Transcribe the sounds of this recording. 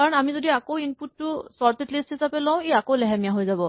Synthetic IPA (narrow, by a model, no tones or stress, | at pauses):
kaɹɔnamizodiakowinputːʊsɔɹtetlistɦisapɛlɔʊ̃ejakowlɛɦamijaɦojzabɔ